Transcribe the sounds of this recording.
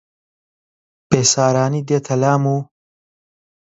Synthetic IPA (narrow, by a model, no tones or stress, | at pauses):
pesaːɾaːnid̪et̪ʰɐlaːmu